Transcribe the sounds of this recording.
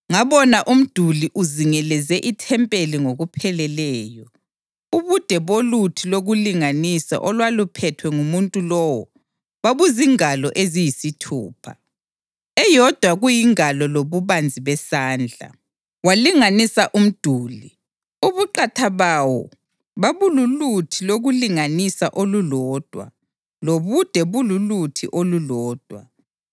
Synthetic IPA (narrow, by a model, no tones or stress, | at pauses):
ŋaβɔnaʔum̩d̥ʱuliʔuziŋɛlɛzɛʔitʰɛmpʼeliŋoɣupʰɛlɛlɛːjɔ | uβud̥ʱɛβolutʰiloɣuliŋanisa̰ʔɔlwalupʰɛtʰwɛŋumuntʼulɔwɔ | βaβuziŋalɔʔezijisitʰṵːpʰa̰ | ɛjɔd̥ʱwaɣujiŋalɔloβuβand͡zʱiβɛsaːnd͡ɮʱa̰ | waliŋanisaʔum̩d̥ʱuːli | uβuǃatʰaβawɔ̰ | βaβululutʰiloɣuliŋanisaʔolulɔːd̥ʱwa̰ | loβud̥ʱɛβululutʰḭʔolulɔːd̥ʱwa̰